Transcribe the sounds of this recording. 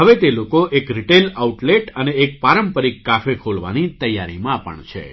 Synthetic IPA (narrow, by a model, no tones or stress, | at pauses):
ɦəʋet̪elokoʔekɾiʈelauʈleʈəneːk̚paɾəmpəɾikːafekʰolʋa̰nit̪əjːaɾimãːpə̰ɳt͡ʃʰḛ